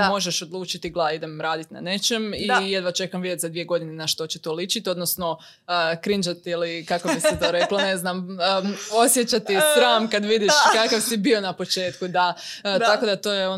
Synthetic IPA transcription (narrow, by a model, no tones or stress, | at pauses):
mo̞ʒeʃo̞d̪lˠuːt͡ʃit̪iɡlˠaid̪emɾaːd̪it̪na̰ne̞t͡ʃe̞mijed̪ʋat͡ʃe̞kamʋid̪jet̪zad̪ʋije̞ɡo̞d̪inenaʃt̪o̞t͡ɕet̪olit͡ʃit̪io̞d̪nosno̞ | əkɾind͡ʒat̪ilikakobisɛt̪oːɾekloneznaməo̞sjet͡ʃat̪isɾaːmkad̪ʋid̪iʃkakaʋsibio̞napo̞t͡ʃe̞ːt̪kud̪at̪ako̞d̪at̪oːjeo